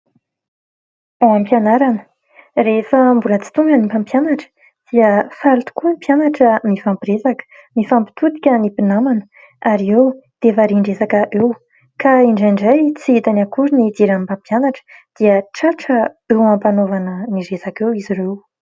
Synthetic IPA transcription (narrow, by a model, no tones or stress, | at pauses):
aampjanaɾanə | refəmbulət͡si̥t̪uŋɡanimpampjanaʈ͡ʂə̥ | d̪̥iəfaɾut̪u̥kumpjanaʈ͡ʂəmifampiɾezakə̥ | mifampi̥t̪ut̪i̥kʲənipinamanə | aɾiewd̪̥efaɾiɳɖ͡ʐesakəʔew | kaiɳɖ͡ʐaɳɖ͡ʐajt͡siit̪anakuɾinid̪iɾampãmpjanaʈ͡ʂə̥d̪̥iəʈ͡ʂaʈ͡ʂəewampanovanəniɾesakewiziɾew